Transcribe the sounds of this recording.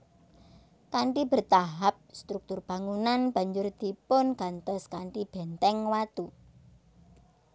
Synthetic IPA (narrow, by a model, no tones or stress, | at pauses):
kaɳʈib̥ə̤rt̪aɦap̚st̪ɾuk̚t̪ʊrb̥a̤ŋunanb̥ä̤ɲd͡ʒʊrd̪̥i̤pʊnɡ̥a̤nt̪ɔskaɳʈib̥ɛnt̪ɛŋwat̪u